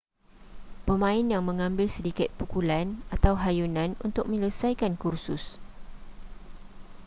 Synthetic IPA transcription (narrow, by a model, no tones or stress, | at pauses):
pəmãɪnjaŋmə̃ŋãmbɪlsədikɪt̪̚pukulanat̪awɦajunãnṵnt̪ʊk̚mə̃ləsajkankursʊs